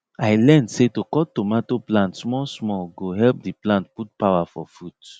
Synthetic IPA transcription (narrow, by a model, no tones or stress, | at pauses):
aɪlɛ̃ndsetokɔtːomatoplãntsmɔsmɔɡoɦɛlp̚diplãntput̚pawafɔ̰fud̥